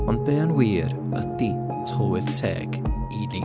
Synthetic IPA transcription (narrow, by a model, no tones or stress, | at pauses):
ɔnd̚bɛːanwiːɾ | ədi | tʰɔlwɪðtʰɛ̰ːɡ̥ | ini